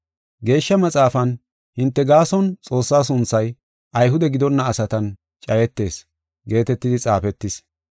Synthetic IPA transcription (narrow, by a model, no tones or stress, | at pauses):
ɡe̞ːʃːɐmɐt͡sʼaːfɐn | hɪnt̪ːɛɡaːsɔnt͡sʼo̞ːsːaːs̬ʊnt͡sːɐj | ʔɐjɦʊd̪ɛɡɪd̪ɔnːɐːsɐt̪ɐn | t͡ʃʼɐjɛt̪ːe̞̰ːs | ɡe̞ːt̪ɛt̪ːɪd̪ɪt͡sʼaːfɛt̪ːɪs